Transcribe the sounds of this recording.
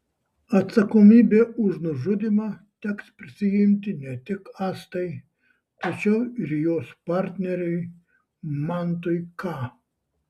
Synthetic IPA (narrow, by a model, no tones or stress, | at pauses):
ɐt̪sɐkomʲiːbʲeːʊʒnʊʒʊd̪ʲimɑt̪ʲɛkspʲɾʲɪsʲɪjɪmʲt̪ʲɪnʲɛt̪ʲɪkɑːst̪ɐɪ | t̪ɐt͡ʃʲɛʊɪɾjoːspɑɾʲt̪ʲnʲɛɾʲɛɪ | mɑnt̪ʊɪkɑː